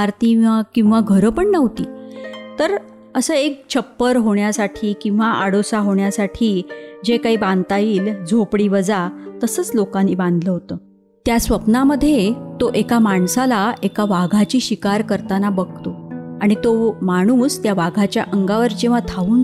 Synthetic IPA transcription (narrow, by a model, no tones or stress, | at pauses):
aɾt̪iakĩw̃ʋaɡʱəɾəpəɳnəʋt̪iːt̪əɾ | əsəːek̚t͡ɕʰəpːəɾɦoɳjasaʈʰiːkĩw̃ʋaʔaɽosaɦoɳjasaʈʰiːd͡ʑekaɦiːbãnt̪aiːld͡zʱopɽiːʋəd͡zat̪əsəːt͡slokaniːbãnd̪ʱləɦot̪əː | t̪jasʋəpnaməd̪ʱːjet̪oʔekamaɳsalaekaʋaɡʱat͡ɕiːɕikaɾkəɾt̪anabəɡ̚ʱt̪oaɽ̃it̪omaɽ̃uːst̪jaʋaɡʱat͡ɕja̰ʔəŋɡaʋəɾd͡ʑeʋ̤at̪ʰauːn